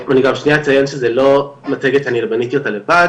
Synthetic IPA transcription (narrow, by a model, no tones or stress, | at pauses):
aniɡamʃniat͡sajonʃezelo̞mateɡetanilbanit̪io̞t̪ale̞vad